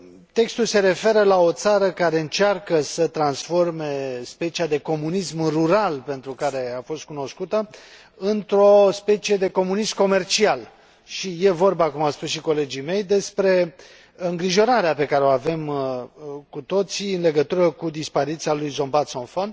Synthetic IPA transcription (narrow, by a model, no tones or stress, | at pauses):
t̪e̞kst̪ulse̞ɾe̞fe̞ɾəlao̞t̪saɾəkaɾe̞ɨnt͡ʃarkəsət̪ɾansfo̞rme̞spe̞t͡ʃiad̪e̞ko̞munismruɾalpe̞nt̪ɾukaɾe̞afo̞st̪̚kuno̞skut̪ə | ɨnt̪ɾo̞spe̞t͡ʃie̞d̪e̞ko̞munismko̞me̞rt͡ʃial | ʃije̞vo̞rbakumawspusʃiko̞le̞d͡ʒijme̞jd̪e̞spɾe̞ | ɨŋɡɾiʒo̞ɾaɾeape̞kaɾeo̞ave̞m | kut̪o̞t̪siɨnle̞ɡət̪uɾəkud̪ispaɾit̪sialujzo̞mbat̪so̞nfon